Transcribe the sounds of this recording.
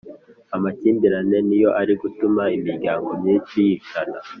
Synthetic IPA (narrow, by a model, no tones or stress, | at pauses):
amaciːmbiɾane̞nijo̞ʔaɾiɡutumaimiɾɟaːŋɡo̞mɲiːt͡ʃijit͡ʃana